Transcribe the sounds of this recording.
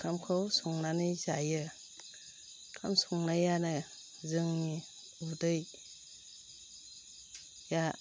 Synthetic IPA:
kʰamkʰowsuŋnanɯzajɯ | kʰamsuŋnajanɯ | zɯŋni | udɯj | ja

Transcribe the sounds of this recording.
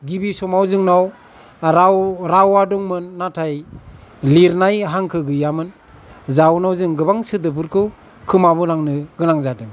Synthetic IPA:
ɡibisɔmawzɯŋnaw | ɾawɾawadɔŋmɯnːatʰaj | liɾnajɦaŋkʰɯɡɯjamɯn | zawnawzɯŋɡɯbaŋsɯdɯpʰɯɾkʰɯw | kʰɯmabɯlaŋnɯɡɯnaŋzadɯŋ

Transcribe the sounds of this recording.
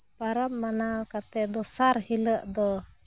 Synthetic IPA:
paɾamːanawkat̪ɛd̪ɔsaɾhiləʔd̪ɔ

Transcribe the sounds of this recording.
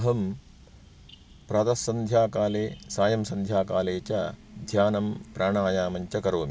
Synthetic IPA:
ɦɐm | pɾɐd̪ɐsɐnd̪ʱjaːkaːleːsaːjɐmsɐnd̪ʱjaːkaːleːt͡ʃɐd̪ʱjaːnɐmpɾaːɳaːjaːmɐɲt͡ʃɐkɐɾoːmi

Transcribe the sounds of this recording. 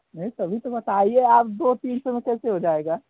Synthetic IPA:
nɐit̪ɐbʱit̪obɐt̪aːieaːpd̪oːt̪iːnsomẽkɛːseɦod͡ʒaːeːɡaː

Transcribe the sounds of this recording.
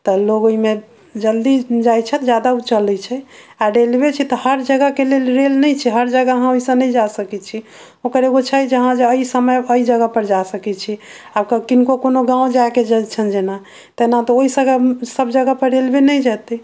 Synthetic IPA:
t̪ɔloɡoime | d͡ʒəld̪id͡ʒajt͡ʃʰɛt̪d͡ʒjad̪aut͡ʃəlɛt͡ʃʰɛaɾelbet͡ʃʰit̪ɔhəɾd͡ʒəɡəkelelɾelnɛjt͡ʃʰɛɦəɾd͡ʒəɡaɦãoisə̃nəid͡ʒasəkɛt͡ʃʰi | okəɾeɡot͡ʃʰəd͡ʒəɦãd͡ʒeəisəməjəid͡ʒəɡəpəɾd͡ʒasəkɛt͡ʃʰi | abkəkinkokonoɡãũd͡ʒaked͡ʒət͡ʃʰənd͡ʒena | t̪enat̪ɔoisəɡəsəbd͡ʒəɡəpəɾɾelbenəjd͡ʒat̪ɛ

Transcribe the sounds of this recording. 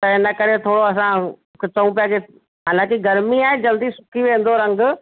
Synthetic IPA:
t̪ɐɦɪnəkɐɾet̪ʰoːɽoɐs̬ã | kt͡sɐũpijake | ɦaːlãːkiɡɐɾmiãːɪ̃d͡ʑɐld̪isʊ̥kʰiʋẽːn̆d̪oɾɐ̃ŋɡʊ

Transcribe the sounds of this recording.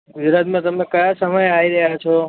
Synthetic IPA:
ɡud͡zɾat̪mat̪ʌmẽkajasʌmʌjajɾʌɦjat͡sʰo

